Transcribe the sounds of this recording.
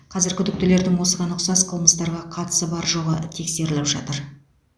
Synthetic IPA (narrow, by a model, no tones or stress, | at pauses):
qʰɑzɪɾkʲʰʏd̪ɪk̚t̪ɪle̞ɾd̪ɪŋwo̞səʁɑnʊqsɑsqʰəlˠməst̪ɑɾʁɑqʰɑt̪ə̥səbɑɾʒoʁət̪ʰe̞kse̞ɾɪlɪpʒɑ̰t̪əɾ